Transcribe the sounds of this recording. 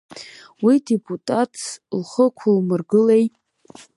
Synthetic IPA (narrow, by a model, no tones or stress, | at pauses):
widepʼutʼatʰlχəkʷʰʊlmɨrɡɨlej